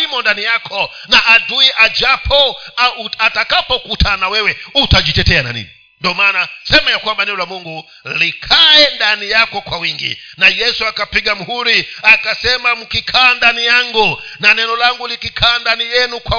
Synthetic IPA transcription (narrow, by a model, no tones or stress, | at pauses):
imɔndanijakʰɔ | naʔaduiʔad͡ʒapʰɔ | atakapɔkutʰanawɛwɛutad͡ʒitɛtɛana̰nḭni | ndɔmanasɛmajakwambanɛɔlamuŋɡu | likʰajɛndanijakɔkwawiŋɡḭnajɛsuakapiɡamuhuɾiakasɛmamukikʰaandanijaŋɡunanɛnɔlaŋɡulikikʰandanijɛnukwa